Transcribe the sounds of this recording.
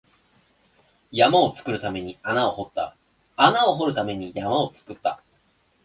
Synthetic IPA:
jamao̞t͡sɨ̥kɯ̟ɾɯ̟t̪ame̞ɲ̟ianao̞ho̞t̪ːa̰ | anao̞ɦo̞ɾɯ̟t̪ame̞ɲ̟ijamao̞t͡sɨ̥kɯ̟t̪ːa

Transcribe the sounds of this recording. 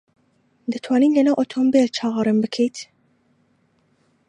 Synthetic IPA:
d̪ɛt̪ʰwɑːniːnlɛnaːwʔot̪ʰombeɾt͡ʃʰɑːʁɑɾɨnbɨkʰejt̪

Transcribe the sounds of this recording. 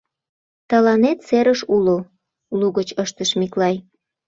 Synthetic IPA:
t̪ɑlɑnet̪seɾəʃulo | uluɣət͡ɕəʃt̪əʃmiklɑj

